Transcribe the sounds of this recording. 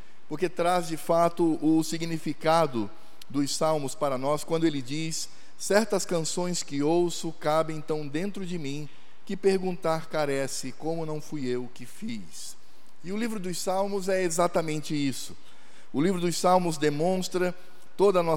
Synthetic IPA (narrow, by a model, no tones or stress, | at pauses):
poɾket̪ɾazd͡ʒɪfat̪ʊʔʊsiɡnifikad̪ʊ | d̪ʊssawmʊspaɾɐnɔskwɐ̃nd̪ʊelɪd͡ʒisː | ɛɾt̪ɐskɐ̃sõj̃skɪowsʊkabɪẽnt̪ɐ̃w̃d̪ẽnt̪ɾʊd͡ʒɪmĩ | kɪpeɾɡũnt̪aɾkaɾɛsɪkõmʊnɐ̃w̃fujewkɪfi | s | ɪʊlivɾʊd̪ʊsawmʊzɛezat̪ɐmẽnt͡ʃɪisʊ | ʊlivɾʊd̪ʊsawmʊzd̪emõst̪ɾɐ | t̪od̪ɐːnɔ